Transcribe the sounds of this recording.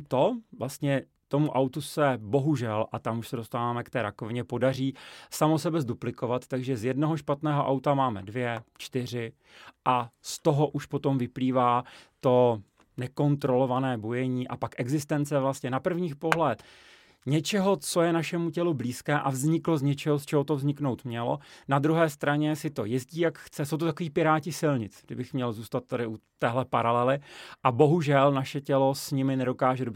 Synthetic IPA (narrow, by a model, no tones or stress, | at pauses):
t̪o̞vlast̪ɲɛ | t̪o̞muʔawt̪usɛbo̞ɦuʒɛlʔat̪amuʃsɛdo̞st̪aːvaːmɛkt̪ɛːɾako̞vɪɲɛpo̞dar̝iːsamosɛbɛzduplɪko̞vat̪t̪aɡʒɛzjɛdno̞ɦo̞ʃpat̪nɛːɦoʔawt̪amaːmɛ̰dvjɛt͡ʃt̪ɪr̝ɪ | ʔast̪o̞ɦo̞ʔuʃpo̞t̪o̞mvɪpliːvaːt̪o̞ | nɛko̞nt̪ɾo̞lo̞vanɛːbojɛɲiːʔa̰pakʔɛɡzɪst̪ɛnt͡sɛvlast̪ɲɛnapr̩vɲiːxpoɦlɛt̪ | ɲɛt͡ʃɛɦo̞t͡so̞jɛnaʃɛmucɛlubliːskɛːʔavzɲɪklozɲɛt͡ʃɛɦost͡ʃɛɦo̞t̪ovzɲɪkno̞wt̪mɲɛlo̞̰nad̪ɾuɦɛːst̪ɾaɲɛsɪt̪o̞̰jɛzɟiːjakxt͡sɛsowt̪ot̪akoviːpɪɾaːcɪsɪlɲɪt͡sɡdɪbɪxmɲɛlzuːst̪at̪̚ːadɪʔut̪ɛːɦlɛpaɾalɛlɪʔabo̞ɦuʒɛlnaʃɛcɛlosɲɪmɪnɛdo̞kaːʒɛdo